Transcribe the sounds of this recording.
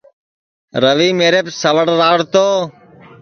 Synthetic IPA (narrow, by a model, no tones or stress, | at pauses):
ɾəʋiːmeːɾeːpsəʋəɽɾaːɽt̪oː